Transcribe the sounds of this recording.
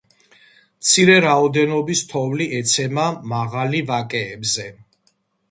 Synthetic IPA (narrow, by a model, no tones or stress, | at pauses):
mt̪sʰiɾɛɾaɔd̪ɛnɔbist̪ʰɔvliʔɛt̪sʰɛmamaʁalivakʼɛːbzɛ